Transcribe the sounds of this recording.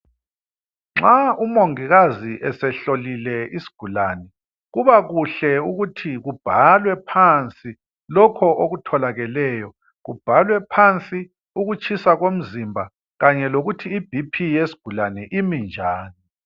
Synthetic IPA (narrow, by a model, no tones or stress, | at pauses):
ŋ͡ǁaumoŋiɣaziʔɛsɛɬolilɛisi̥ɡ̥ʱulanɛ | ɣuβaɣuɬɛuɣutʰiɣub̥ʱalwɛpʰant͡sʼi | lɔkʰɔʔoɣutʰɔlaɣɛlɛːjɔ | ɣub̥ʱalwɛpʰant͡sʼi | uɣut͡ʃʰʼisaɣom̩zimbʱa | ɣaɲɛloɣutʰiːb̥ʱipʰijesi̥ɡ̥ʱulanɛʔimind͡ʒʱaːni